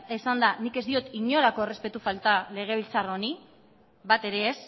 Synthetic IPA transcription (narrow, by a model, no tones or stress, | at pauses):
esand̪anike̞zd̪io̞t̪iɲo̞lako̞ere̞spe̞t̪ufalt̪ale̞ɣ̞e̞βilt͡saro̞ni | bat̪e̞ɾe̞ːs